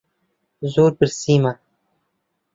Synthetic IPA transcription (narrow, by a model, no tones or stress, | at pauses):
zuːɾpəɾsiːma